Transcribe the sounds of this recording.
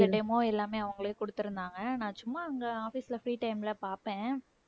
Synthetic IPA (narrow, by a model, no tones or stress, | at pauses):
ɐʈɛmoːɛlːaːmeːɐʋɐŋɡɐɭɐjkɔɽɯt̪ːɯɾɯnd̪aːŋɡɐnãːt͡ʃʊmːaːɐŋɡɐaːfisɪlɐfɾiːʈɐɪmɪlɐpaːɾpẽː